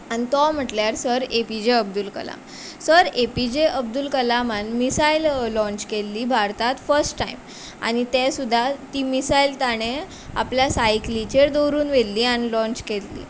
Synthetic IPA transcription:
anit̪ɔm̤əʈljaɾsəɾepid͡ʑeəb̚d̪ulkə̰la̰m | səɾepid͡ʑeəb̚d̪ulkəlamanmisaillɔ̃ɲt͡ɕkelːiːbʱaɾt̪at̪fəɾsʈːaim | a̰ñit̪ɛ̃sud̪ʱːat̪iːmisailt̪aɽ̃e | a̰pljasajklit͡ɕeɾd̪oɾuːnʋelliːanilɔ̃ɲt͡ɕkellḭː

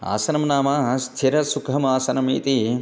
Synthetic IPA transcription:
a̰ːsɐnɐmnaːmaːst̪ʰiɾɐsukʰɐmaːsɐnɐmḭːt̪i

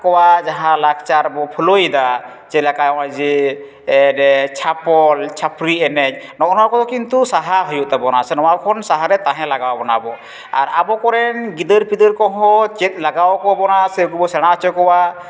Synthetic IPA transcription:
kɔwad͡ʒaɦãlak̚ʰt͡ʃaɾbɔpʰulojd̪a | t͡ʃɛlakajɔajd͡ʒi | ɛdɛt͡ʃʰapɔlt͡ʃʰapʰɾiɛnɛc̚ | nɔnɔwakɔd̪ɔkint̪usaɦaɦɔjuʔt̪ɛbɔnasɛnɔwakʰɔnsaɦaɾɛt̪aɦɛ̃laɡawbɔnabɔ | aɾabɔkɔɾɛnɡid̪əɾpid̪əɾkɔɦɔ̃t͡ʃɛt̪̚ˀlaɡawkɔbɔnasɛkubɔsɛɽ̃at͡ʃɔkɔwa

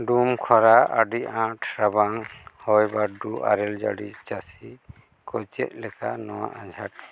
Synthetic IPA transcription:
ɖumkʰɔɾaaɖiãʈʰɾabaŋhɔjbaɖuʔa̰ɾɛld͡ʒa̰ɽit͡ʃasi | kɔjt͡ʃɛ̰ʔ̚lɛkanɔwa̰ʔãd͡ʒʱaʈ̚

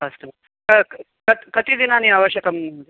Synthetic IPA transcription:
ast̪um | kə | kət̪kət̪iːd̪inaniaʋəɕjəkəm

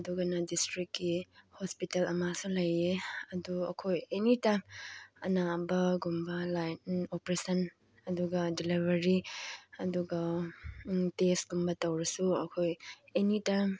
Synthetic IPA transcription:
ɐduɡɐnɐdistɾikːihospitelɐmasulɐjeɐduɐ̰kʰojenitamɐnabɐɡumbɐlajopɾesɐn | ɐduɡɐdilibʱɐɾiɐduɡɐ | tesɡumbɐtɐwɾɐsuɐkʰojenitam

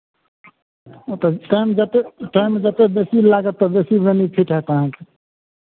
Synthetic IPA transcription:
t̪ɔʈajmd͡ʒət̪eʈajmd͡ʒət̪ebesilaɡət̪ːɔbesibənipʰiʈɦɛt̪aɦãke

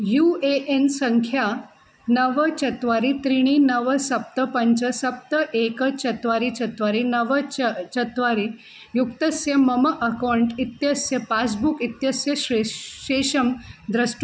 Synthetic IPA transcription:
jueʔensəŋkʰja | nəʋət͡ɕɐt̪ʋaɾit̪ɾiɽ̃inəʋəsɐp̚t̪əpɐɲt͡ɕəsɐp̚t̪əʔekət͡ɕɐt̪ʋaɾit͡ɕɐt̪ʋaɾinəʋət͡ʃɐt̪ʋaɾi | jukt̪ɐsjɐmɐməʔɐkawɳʈit̪jɐsjɐpas̬bukit̪jɐsjəɕɕeʂɐmd̪ɾəsʈ

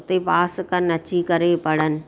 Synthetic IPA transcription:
t̪epaːskənɐt͡ɕikɐɾepɐɽənɪ̆

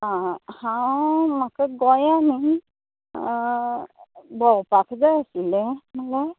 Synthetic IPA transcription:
hawmakəɡɔjani | bɔwpakʰzajasilɛmala

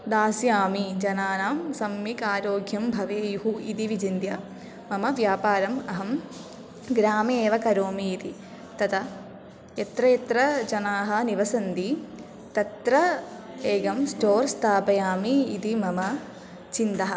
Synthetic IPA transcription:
d̪aːsjaːmid͡ʒɐnaːnaːmsɐmːjikaːɾoːɡʱjɐmbʱɐʋeːjuɦuit̪iʋid͡ʒind̪jɐ | mɐmɐʋjaːpaːɾɐmɐɦɐm | ɡɾaːmeːʋɐkɐɾoːmiit̪i | t̪ɐt̪ɐ | ɐt̪ɾɐjɐt̪ɾɐd͡ʒɐnaːɦɐ̆niʋɐsɐnd̪i | t̪ɐt̪ɾɐ | eːɡɐmsʈoːɾst̪ʰaːpɐjaːmḭːt̪imɐmɐ | t͡ʃind̪ɐɦɐ̆

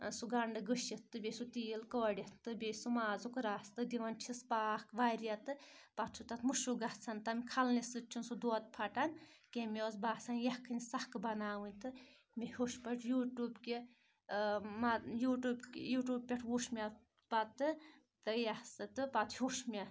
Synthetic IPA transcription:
suɡɐɳɖɨɡəʃit̪ːɨbʲesut̪iːlkɐʋɽʲit̪ːɨbʲesumaːzukɾaːst̪ɨd̪iʋɐnt͡ʃʰispaːkʋaɾjɐt̪ɨpɐt̪t͡ʃʰut̪ɐt̪ʰmuʃuɡɐht͡sʰɐnt̪ɐmʲkʰɐlnisɨt͡ʃʰunsud̪oːt̪̚pʰɐʈɐnkemoːzbaːsɐnjɐhkʰɨnʲsɐhkɨbɐnaːwɨnʲt̪ɨ | mihoʃpɐʈʰjuːʈuːbki | majuːʈuːbkjuːʈuːb̚pʲeʈʰwuʃmʲɐ | pɐt̪ːɨ | t̪ɨjɐhsɨt̪ɨpɐt̪hʲuʃmʲɐ

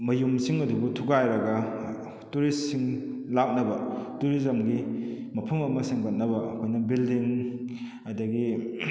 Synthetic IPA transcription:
mɐjumsiŋɐdubutʰuɡajɾɐɡɐ | tuɾistsiŋ | lak̚nɐbɐtuɾizɐmɡi | mɐpʰɐmɐmɐseŋbɐt̚nɐbɐɐkʰojnɐbildiŋ | ɐdɐɡi

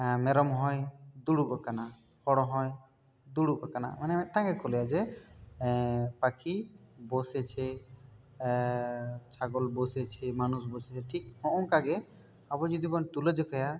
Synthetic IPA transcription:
mɛɾɔmɦɔjd̪uɽubakana | hɔɽɔɦɔj | d̪uɽubakana̰manɛmɛt̪ãŋɡɛkɔlɛjad͡ʒɛ | pakʰibɔsɛt͡ʃʰɛ | t͡ʃʰaɡɔlbɔsɛt͡ʃʰɛmanusbɔsɛt͡ʃʰɛʈʰik̚hɔ̃ʔɔŋkaɡɛ | abɔd͡ʒɔd̪ibɔnt̪uləd͡ʒɔkʰɔja

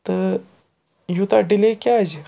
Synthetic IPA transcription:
t̪əɾ | jut̪aɖilekʲad͡ʑ

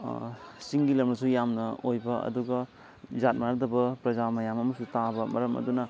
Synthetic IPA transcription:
siŋɡilɐmnɐsujamnɐojbɐɐ̰duɡɐ | zat̚maɾɐdɐbɐpɾɐzamɐjamɐmɐsutabɐmɐɾɐmʔɐ̰dunɐ

